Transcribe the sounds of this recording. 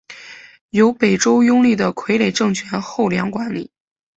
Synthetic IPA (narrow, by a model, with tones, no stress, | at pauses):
jo˧˥ʊpe˨˩ɪʈ͡ʂo˥ʊjʊ˥ŋli˥˩d̪ə˩kʰwe˧˥ɪle˨˩ɪʈ͡ʂɤ˥˩ŋt͡ɕʰɥɛ˧˥nxo˥˩ʊljɑ˧˥ŋkwa˧˥nli˨˩˦